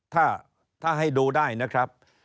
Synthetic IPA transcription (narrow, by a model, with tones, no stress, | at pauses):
t̪ʰaː˥˩ | t̪ʰaː˥˩ɦa˥˩jdoː˧daː˥˩jna˦˥kʰɾa˦˥p̚